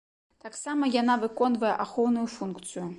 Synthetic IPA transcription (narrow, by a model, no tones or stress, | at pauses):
t̪aksamɐjanavɨkɔnvɐjɛʔaxownujufunkt̪sɨju